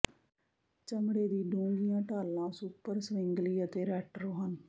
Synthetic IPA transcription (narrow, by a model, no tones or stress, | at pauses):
t͡ʃəmɽeːd̪iːɖõːɡɪjãːʈaːlːãːsuːpəɾsʋɪŋɡliːət̪eːɾɛːʈɾoːɦən